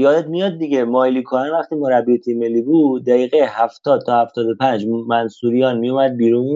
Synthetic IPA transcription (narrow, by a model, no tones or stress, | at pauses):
jɒːd̪ed̪mijɒːd̪ːiɟemɒːliːkʰoɾænvæχt̪ʰiːmoɾæbːijet̪ʰimelːiːbuːd̪ːæiːɣehæft̪ʰɒːd̪̚t̪ʰɒːhæft̪ɒːd̪o̞pʰænd͡ʒmænsuːɾijɒːnmijumæd̪̚biːɾun